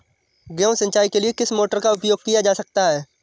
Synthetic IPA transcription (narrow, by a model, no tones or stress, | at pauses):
ɡɛ̃ːʊsə̃ɲt͡ʃaːikeliekɪsmoːʈəɾkaʊpjoːɡ̚kijad͡ʒaːsɐk̚t̪aɦɛː